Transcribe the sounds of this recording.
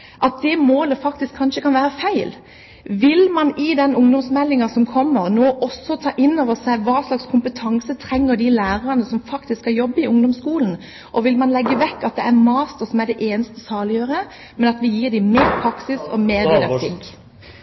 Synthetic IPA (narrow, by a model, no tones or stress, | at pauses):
ʔɑt̪̚d̪ɛmoːləfɑk̚t̪ɪskʰːɑnʂəkʰɑnʋæːɾəfæɪl | ʋɪlmɑnɪd̪ɛnʊŋd̪ɔmsmɛlːɪŋɑsɔmkʰɔmːəɾnoːʔɔsːɔt̪ʰɑːʔɪnːoːʋəsæɪʋɑːʂlɑkskʰʊmpət̪ʰɑŋsət̪ʰɾɛŋːəɾd̪ilæːɾɑʁɑnəsɔmfɑkt̪ɪskhɑjɔbːəɪʊŋd̪ɔmskuːln̩ | ʔɔʋɪlmɑnlɛɡːəʋɛkːɑt̪̚d̪ɛæmɑːst̪əɾsɔmæɖ̪ɛʔeːnəst̪əsɑːlɪjøːɾə | mɛnɑt̪ʋɪjiːɾd̪ɪmeːɾpʰɾɑksɪsɔ̰meːɾd̪ɪd̪ɑt̪ʰɪkː